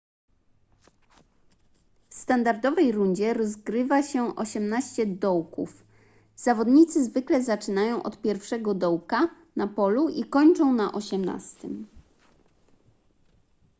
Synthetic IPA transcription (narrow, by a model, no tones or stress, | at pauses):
fst̪and̪aɾd̪ɔvɛjɾuɲd͡ʑɛɾɔzɡɾɘvaɕɛʔɔɕɛmnaɕt͡ɕɛd̪ɔwkṵf | z̥avɔd̪ɲit̪sɘzvɘklɛzat͡ʂɘnajɔ̃w̃ʔɔt̪pʲjɛɾfʂɛɡɔd̪ɔwka | napɔluʔikɔɲt͡ʂɔ̃w̃naʔɔɕɛmna̰st̪ɘm